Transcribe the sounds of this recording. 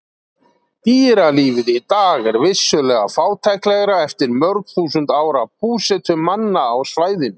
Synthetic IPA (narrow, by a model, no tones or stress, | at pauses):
t̪iːɾaliːvɪðit̪aːɣɛɾvɪsːʏlɛːɣa̰faːwt̪ʰɛklɛɣɾaɛft̪ɪɾmœɾkθuːsʏnt̪aːwɾap̚ʰuːsɛt̪ʏmanːaːwsvaːjðɪn